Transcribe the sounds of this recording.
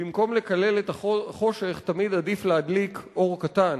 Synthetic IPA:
bimko̞mle̞kale̞let̪aχo̞ʃeχtamid̪adiflead̪likʔo̞ʁkatan

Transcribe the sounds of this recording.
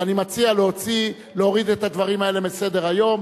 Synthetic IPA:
animat͡sialeɦo̞t͡si | leo̞ʁid̪et̪ad̪vaʁimae̞lebese̞d̪e̞ʁajo̞m

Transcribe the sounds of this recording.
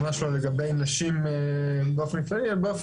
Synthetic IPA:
maʃaleɡabe̞jnaʃimebeofenkaialbeof

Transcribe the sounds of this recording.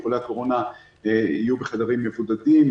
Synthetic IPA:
χoleako̞ʁo̞na | eḭjubeχad̪aʁimːe̞vud̪adim

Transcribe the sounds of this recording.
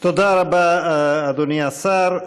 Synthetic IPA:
t̪od̪aɾabaːd̪oniasaɾ

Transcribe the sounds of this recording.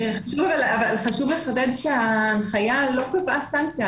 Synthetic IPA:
eaʃuvavalavalχaʃuvleχad̪ed̪ʃeanχajalo̞kevasant͡sja

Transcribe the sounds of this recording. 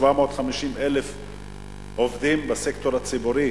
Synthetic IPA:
vamo̞ːt̪χamiʃimelef | ovd̪imbasekt̪o̞ɾat͡sibuɾi

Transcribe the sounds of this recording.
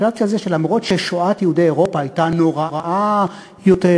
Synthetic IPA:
ʃavt̪ialzeʃelamʁo̞t̪ʃe̞ʃoat̪jeudejeʁo̞paːjtano̞ʁaʁaʔa | jot̪e

